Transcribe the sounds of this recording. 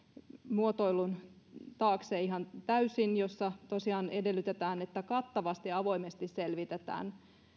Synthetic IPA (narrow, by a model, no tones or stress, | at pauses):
muot̪oilunt̪ɑːkseːihɑnt̪æysinjosːɑt̪osiɑːnedelːˑyt̪et̪æːnet̪ːækɑt̪ːɑʋɑst̪iɑʋo̞imest̪isselʋit̪et̪æ̰ːn